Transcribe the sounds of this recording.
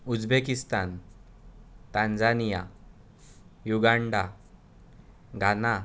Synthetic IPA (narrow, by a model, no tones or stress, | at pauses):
ud͡zbekist̪an | t̪ãnd͡zanija | juɡaɳɖa | ɡʱana